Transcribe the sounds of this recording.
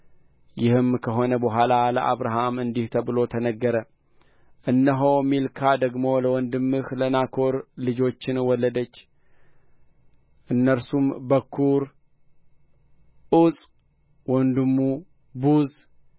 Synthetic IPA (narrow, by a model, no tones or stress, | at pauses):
jɪhɨmkʰəɦo̞nəbəɦʷalaləʔa̰βɾaɦamɨnd̪iht̪ʰəβɨlo̞t̪ʰənəɡːəɾə | ʔɨnːəɦowmilkʰad̪əɡmo̞ləwɔnd̪ɨmːɨhlənakʰo̞ɾlɨd͡ʒo̞t͡ʃːɪnwɔlːəd̪ət͡ʃː | ʔɨnːəɾsumbəkʰːuɾ | ʔusʼ | wɔnd̪ɨmːu | buz